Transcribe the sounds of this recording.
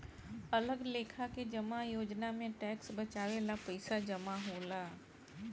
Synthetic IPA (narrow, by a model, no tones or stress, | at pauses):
ɐləɡleːkʰaked͡ʒɐmajoːd͡ʒnamẽʈɛːksbɐt͡ʃaːʋeːlapɐɪsad͡ʒɐmaɦoːlaː